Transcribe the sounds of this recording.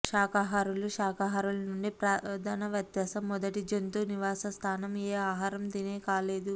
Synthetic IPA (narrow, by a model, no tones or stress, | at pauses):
ʃaːkaɦaɾuluʃaːkaɦɐɾulɐnuɳɖipɾaːd̪ʱaːnɐʋjɐd̪jɐːsɐmːɔd̪ɐʈid͡ʒent̪uːniʋaːsɐst̪ʰaːnɐmeːaːɦaːɾɐmd̪ineːkaːleːd̪u